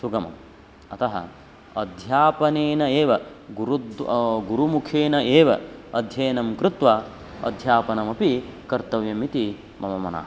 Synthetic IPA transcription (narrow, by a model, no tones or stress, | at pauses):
suɡɐmɐ̰m | ɐt̪ɐɦɐ̰ | ɐd̪ʱjaːpɐneːnɐeːʋɐɡuɾud̪ɡuɾumukʰeːnɐʔeːʋɐɐd̪ʱjɐjnɐmkɾɪt̪ʋɐ | ɐ̰d̪ʱjaːpɐnɐmɐpikɐɾt̪ɐʋjɐmit̪i | mɐmɐmɐna̰ːɦ